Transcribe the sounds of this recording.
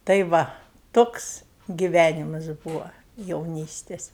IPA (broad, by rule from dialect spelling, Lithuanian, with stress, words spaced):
tɐɪ ˈʋɐ ˈtoːks ɡʲɪˈʋʲænʲɪmɐs ˈbuːʋɐ jɛʊˈnʲiːsʲtʲeːs